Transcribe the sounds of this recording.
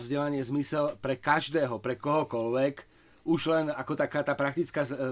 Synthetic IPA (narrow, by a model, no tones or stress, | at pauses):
vzɟɛlaɲɪɛzmisɛlpɾɛkaʒd̪ɛːɦɔpɾɛkɔɦɔkɔlʋɛk | uʒlɛnakɔt̪akaːt̪aːpɾak̚t̪it͡skaː